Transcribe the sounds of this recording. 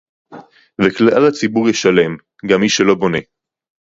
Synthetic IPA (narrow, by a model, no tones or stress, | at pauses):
vekleʔalhat͡sibuʁjeʃale̞m | ɡamːiʃelo̞bo̞ne̞